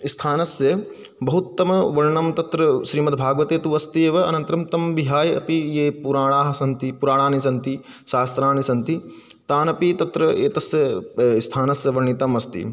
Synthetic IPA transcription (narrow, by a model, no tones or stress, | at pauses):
ist̪ʰaːnɐsjɐ | bɐɦut̪ːɐmɐʋɐɾɳɐmt̪ɐt̪ɾɐʃɾiːmɐt̪bʱaːɡʋɐt̪eːt̪uʋɐst̪eːʋɐɐ̰nɐnt̪ɐɾɐmt̪ɐmbiɦaːjɐ̰pijeːpuɾaːɳaːɦɐsɐnt̪ipuɾaːɳaːnisɐnt̪i | ʃaːst̪ɾaːnisɐnt̪i | t̪aːnɐpit̪ɐt̪ɾɐeːt̪ɐsjɐist̪ʰaːnɐsjɐʋɐɾɳit̪ɐmɐst̪ḭ